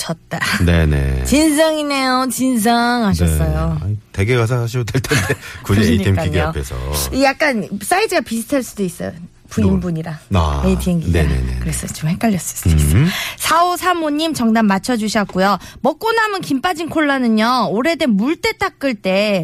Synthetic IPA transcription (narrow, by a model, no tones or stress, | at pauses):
t͡ɕʰʌt̚t͈ane̞nḛt͡ɕins̬ʰʌŋine̞jot͡ɕins̬ʰʌŋɦaɕʰʌs͈ʌjoa̰ite̞ɡeɡasʰʌsʰaɕʰiɾotʰeɭtʰentekud͡ʑiiitʰemkiɡepʰḛsʰʌ̰ijak̚k͈ans͈aidɯɡapisʰɯ̥tʰaɭs͈udois͈ʌjo̰ | puimbuɲiɾaa̰etʰieŋɡineɾanḛnḛkɯɾe̞sʰʌt͡ɕomhek͈aʎːjʌs͈ʌ̥s͈ | sʰaosʰamoɲːimt͡ɕʌŋdamːat͡ɕʰʌd͡ʑuɕʰiʌk̚k͈ujomʌk͈onamɯnkimp͈ad͡ʑinkʰoɭːanɯɲʌoɾe̞demuɭt͈e̞t͈ak̚k͈ɯɭt͈e̞